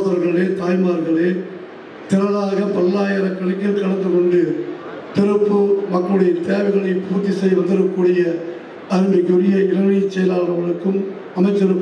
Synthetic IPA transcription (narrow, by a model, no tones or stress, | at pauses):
ðɐɾɣɐɭeːt̪aːjmaːɾɣɐɭeː | t̪ɪɾɐlaːɣɐpɐlːaːjɐɾɐkːɐɭɐkːɪlkɐɽɐnd̪ɯkɔɳɖɯ | t̪ɪɾɯpːɯmɐkːɐɭɽɯjɐt̪eːʋɐɪɣɐɭɐɪpuːt̪ːisɐɪʋɐnd̪ɯɾɯkːuːɽɪjɐ | ɐɾɯmɪkːʊɾɪjɐɪlɐɳit͡ʃːɛjɐlaːɾɐʋɐɭɯkːɯm | ɐmɐɪt̪ːɪɾɯː